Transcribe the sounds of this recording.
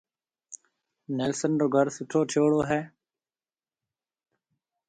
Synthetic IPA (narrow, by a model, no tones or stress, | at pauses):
neːlsənɾoːɡʱəɾsʊʈʰoːʈʰoːɽoːɦɛː